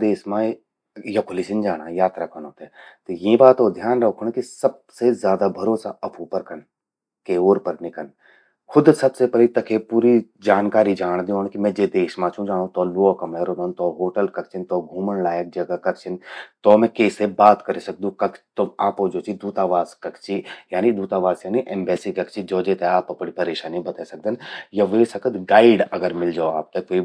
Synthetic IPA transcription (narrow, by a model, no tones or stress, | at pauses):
d̪eːʃmã | jɐkʰʊlit͡ʃɪnd͡ʒaːɽ̃ajaːt̪ɾakɐnõːt̪et̪jĩbaːt̪oːd̪ʱjaːnɾɐkʰʊɳ̃kisɐb̚sezjaːd̪abʱɐɾoːsaɐpʰupɐɾkən | keoːɾpɐɾnɪkən | kʰʊd̪sɐbsepɐɾit̪ːɐkʰepuːɾi | d͡ʒaːnkaːɾid͡ʒaːɽ̃d̪ioːɽ̃kimɛ̃d͡ʒed̪eːʃmãt͡ʃʰũd͡ʒaːɽ̃õt̪ɔːloakɐmɛːɾõd̪ont̪ɔːɦoːʈəlkɐɾt͡ʃʰɪnt̪ɔːɡʱuːmənlaːjək̚d͡ʒɐɡakɐɾt͡ʃʰɪnt̪ɔːmɛ̃keːsebaːt̪kɐɾesɐk̚d̪ũkɐkt̪oaːpɦoːd͡ʒoːt͡ʃid̪uːt̪aːʋaːskɐkt͡ʃʰijaːnid̪uːt̪aːʋaːsjaːniʔɛ̃ːmbɛːsikɐkt͡ʃʰid͡ʒoːd͡ʒeːt̪eaːpɐpɽipɐɾeːʃaːnibɐt̪aːsɐk̚d̪ənjɐʋeːsɐkət̪ɡaːɪɖɐɡəɾmɪld͡ʒaːoaːp̚t̪ɐkːoi